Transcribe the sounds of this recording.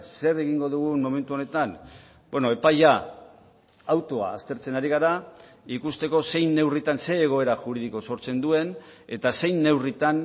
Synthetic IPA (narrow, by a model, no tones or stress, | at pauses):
se̞ɾe̞ɣiŋɡo̞ðuɣ̞unmo̞me̞nt̪uo̞ne̞t̪an | bwe̞noe̞paja | awt̪o̞a̰ːst̪e̞ɾt͡se̞naɾiɣ̞aɾa | ikust̪e̞ko̞se̞jnːe̞writ̪anse̞ːɣ̞o̞e̞ɾaʝuɾiðiko̞so̞ɾt͡se̞nd̪ue̞ne̞t̪ase̞jnːe̞writ̪an